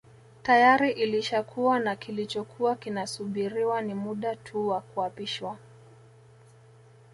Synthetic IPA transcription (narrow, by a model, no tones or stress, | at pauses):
tajaɾiʔiliʃakʰuwanakilit͡ʃɔkʰuakinasuɓiɾiwanimuɗatʰuwakuapiʃwa